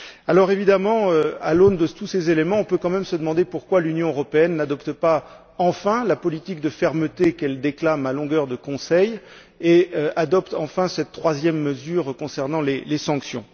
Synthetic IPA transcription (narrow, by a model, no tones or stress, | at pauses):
alɔʁevid̪amɑ̃øa̰lond̪ət̪usezelemɑ̃ɔ̃pøkɑ̃mɛmsəd̪əmɑ̃d̪epuʁkwalynjɔ̃øʁɔpeɛnːad̪ɔpt̪əpa | ɑ̃fɛ̃lapɔlit̪ik̚d̪əfɛʁmət̪ekɛld̪eklamalɔ̃ɡœʁd̪əkɔ̃sɛj | eøad̪ɔpt̪ɑ̃fɛ̃sɛt̪ːχwazjɛmːəzyʁkɔ̃sɛʁnɑ̃lelesɑ̃ksjɔ̰̃